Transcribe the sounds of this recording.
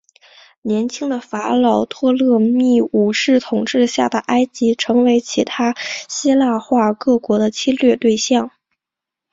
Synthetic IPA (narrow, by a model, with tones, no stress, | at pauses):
njɛ˧˥nt͡ɕʰi˥ŋd̪ə˨fa˧˥lɑ˨˩ʊt̪ʰwɔ˥˧lɤ˥˧mi˥˩u˨˩ʂɻ̩˥˩t̪ʰʊ˨˩ŋʈ͡ʂɻ̩˥˧ɕja˥˩d̪ə˩ʔa˥ɪt͡ɕi˧˥ʈ͡ʂʰɤ˧˥ŋwe˧˥ɪt͡ɕʰi˧˥t̪ʰa˥ɕi˥la˥˧xwa˥˧kɤ˥˩kwɔ˧˥d̪ə˧t͡ɕʰi˥lɥɛ˥˧t̪we˥˧ɪɕjɑ˥˩ŋ